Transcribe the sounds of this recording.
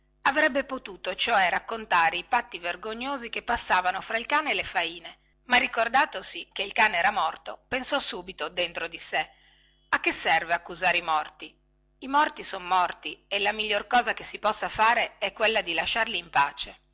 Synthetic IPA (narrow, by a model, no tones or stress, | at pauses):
avɾɛbːepot̪uːt̪ot͡ʃoɛrakːont̪aːɾeipat̪ːiverɡoɲːoːzik̟epːasːaːvanofɾailkaːneːlefaiːne | marːikord̪aːt̪osikeilkaːneɛːɾamɔrt̪opensɔsuːbit̪od̪ent̪ɾod̪ise | akːesːɛrveakːuzaːɾeimɔrt̪i | imɔrt̪isonomɔrt̪ielamiʎːorkɔːzakesipɔsːafaːɾeɛkːwelːad̪ilaʃːarliːmpaːt͡ʃe